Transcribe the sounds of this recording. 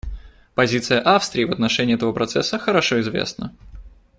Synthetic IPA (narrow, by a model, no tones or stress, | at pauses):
pɐzʲit̪sɨjəʔafst̪ɾʲɪːvət̪nɐʂɛnʲɪːɛt̪əvəpɾɐt̪sɛsːəxəɾɐʂoɪzvʲḛsnə̰